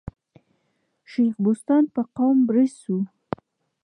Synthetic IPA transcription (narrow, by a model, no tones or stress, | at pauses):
ʃejxbʊst̪ɑnpəqawmbɾəssu